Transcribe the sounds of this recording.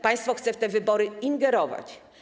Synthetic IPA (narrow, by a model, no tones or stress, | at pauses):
paj̃st̪fɔxt̪sɛft̪ɛvɘbɔɾɘinɡɛɾɔva̰t͡ɕ